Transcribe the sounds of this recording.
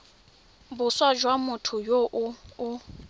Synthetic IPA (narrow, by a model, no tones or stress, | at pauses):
bʊswad͡ʒwamʊtʰʊjoʔʊʊ